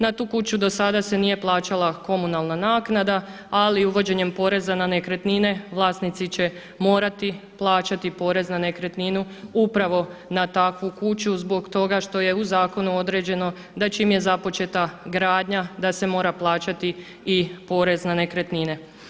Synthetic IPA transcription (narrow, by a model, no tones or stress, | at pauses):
nat̪uːkut͡ɕud̪o̞sad̪ase̞nije̞plˠaːt͡ɕalˠako̞munalˠnanaːknad̪a | aliuʋo̞d͡ʑe̞ɲe̞mpo̞ːɾe̞zananekɾet̪nine̞ʋlˠaːst̪nit̪sit͡ɕe | mo̞ːɾat̪iplˠaːt͡ɕat̪ipo̞ːɾe̞znane̞kɾe̞t̪ninuupɾaʋo̞nat̪akʋukut͡ɕuzbo̞ɡt̪o̞ɡaʃt̪o̞je̞uzaːko̞nuo̞d̪ɾe̞d͡ʑe̞no̞ | d̪at͡ʃiːmje̞zapo̞t͡ʃe̞t̪aɡɾaːd̪ɲad̪ase̞mo̞ːɾaplˠaːt͡ɕat̪i | ipo̞ːɾe̞znane̞kɾet̪nine̞